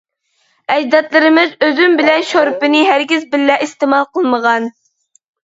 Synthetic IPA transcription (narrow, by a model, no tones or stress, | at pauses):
ɛd͡ʒd̪ɑt̪lˠɨɾɨmɪzøzymbɪlɛnʃoɾpɪnɪɦæɾɡʲizbɪlːɛʔist̪ɨmɑlˠqəlˠməʁɑn